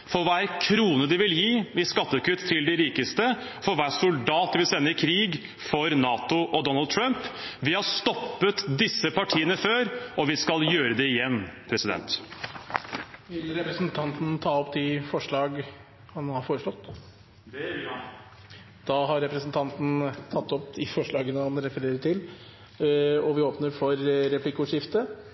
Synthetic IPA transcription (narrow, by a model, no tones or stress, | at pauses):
fɔɾʋææɾkʰɾuːnəd̪ɪʋɪljiːɪskɑt̪ːəkʉt̪ʰːɪld̪ɪɾiːkəst̪ə | fɔɾʋæsʊld̪ɑːt̪ʋɪlsɛnːəɪkʰɾiːɡ | fɔɾnɑːt̪ʊʔɔd̪ɔnɑld̪̚t̪ʰɾœmpʋɪhɑst̪ɔpːət̪d̪ɪsːəpʰɑʈʰiːənəføːɾɔʋɪskɑljøːɾəd̪ɛɪjɛnːpʰɾɛsɪd̪ɛ̰nt̪ | ʋɪlɾɛpɾəsnt̪ʰɑnt̪n̩t̪ʰɑːɔpd̪ɪfɔʂɭɑːɡ | hɑnhɑɾfoːɾəʂlɔt̪ː | d̪̥ɑːɦɑɾːɛpɾɛsnt̪ʰɑnt̪n̩t̪ʰɑt̪ːɔpd̪ɪfɔʂɭɑːɡənəhɑnɾɛfəɾeːɾəʈʰɪl | ɔʋɪoːpnəɾfɔɾːɛpʰlɪkːʊʂɪft̪ə